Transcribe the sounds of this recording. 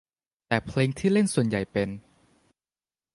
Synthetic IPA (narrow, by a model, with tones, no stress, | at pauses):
t̪ɛː˨˩pʰleː˧ŋt̪ʰiː˥˩le˥˩nsu˨˩ənja˨˩jpe˧n